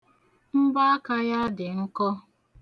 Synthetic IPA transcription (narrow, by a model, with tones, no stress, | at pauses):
m̩˦ba˦a˦ka˦ja˦dɪ˨ŋ̩˦kɔ˦